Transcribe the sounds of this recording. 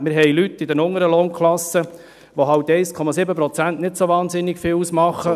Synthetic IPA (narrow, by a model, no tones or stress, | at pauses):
mɪːɾɦɛjlyt̪ːɪd̪ɛnʊŋəɾəloːnkʰlɑsːə | ʋoɦɑwtːɛɪskʰɔmɑsɪbəpɾɔt͡sæntnɪtsoʋɑːnzɪnːɪɡfɪːlusmɑχːə